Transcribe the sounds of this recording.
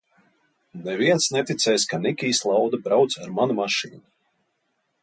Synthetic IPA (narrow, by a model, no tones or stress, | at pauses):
nɛviɛnsnɛt̪it̪sʲɛjskanikʲiːslˠawd̪abɾawt̪saɾmanumaʃiːnu